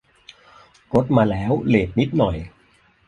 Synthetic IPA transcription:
ko˦˥t̪̚maː˧lɛː˦˥wleː˨˩t̪̚ni˦˥t̪̚nɔ˨˩j

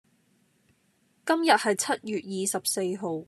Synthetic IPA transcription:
kɐ˥mjɐ˨t̚hɐ˨jt͡sʰɐ˥t̚jyː˨t̚jiː˨sɐ˨p̚se˧jɦo˨w

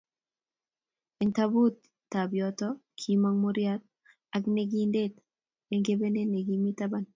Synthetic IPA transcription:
ɛ˨ŋtabu˦t̪ | tːa˨bjɔtɔkʰi˨ma˦ŋmo˦ɾjat̪̚ | a˨kne˨ɡi˦nde˦t̪ | e˨ŋɡe˦be˦ne˦ne˨ɡi˦mi˦ta˦ba˦n

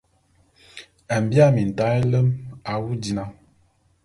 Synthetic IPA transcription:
a˨m˨bja˦˨mi˨n̩˨ta˦e˦lə˦ma˨wu˦di˨na˦

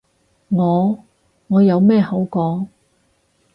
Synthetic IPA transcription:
ŋɔː˨˧ | ŋɔː˨˧jɐ˨˧wmɛː˥˩hɐ˨˥wkɔː˨˥ŋ

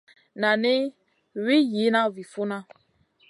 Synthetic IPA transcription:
na˨ne˦ | wi˦ji˨˦nã˦vi˨fu˦na˦

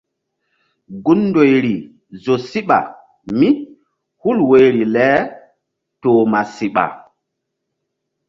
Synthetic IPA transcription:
ɡu˦nːdo˨jɾi˨ | zo˨si˦ɓa̰˨ | mi˦ | hu˦lwe˨˦jɾi˨lɛ˦ | to˨ma˨si˨ɓa̰˨

